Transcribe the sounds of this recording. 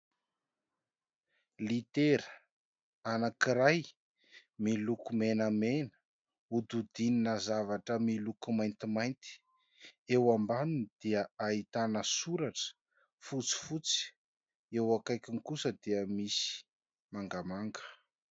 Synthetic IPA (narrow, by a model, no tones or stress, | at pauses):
lit̪eɾə | anakiɾaj | milukumenəmenə̥ | ud̪ud̪ininəzavaʈ͡ʂəmilukumajnt̪imajnt̪i̥ | ewambaninid̪̥eəait̪anəsuɾaʈ͡ʂə̥ | fut͡si̥fut͡si̥ | ewakajkʲinŋikusəd̪eəmisi̥ | maŋɡamaŋɡə̥